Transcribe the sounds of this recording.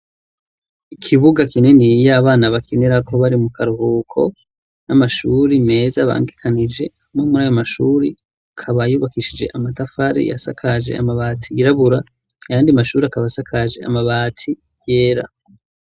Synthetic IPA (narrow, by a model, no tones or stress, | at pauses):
ikʰiβuɡakine̞nijaːβaːnaβakʰeneɾakʰo̞βaɾimukʰaɾuhukʰo̞̰ | namaʃuːɾime̞ːzaβa̰ːŋɡikʰanid͡ʒe̞ | momuɾaːjomaʃuːɾi | akʰaβajuːβakiʃid͡ʒe̞̰ʔamatafaɾḭja̰sa̰kʰad͡ʒe̞̰a̰maβaːtʰiɡiɾaβuɾa | ajaːndiamaʃuːɾiakaβasakʰaʒe̞̰a̰maβaːtʰi | jeːɾa̰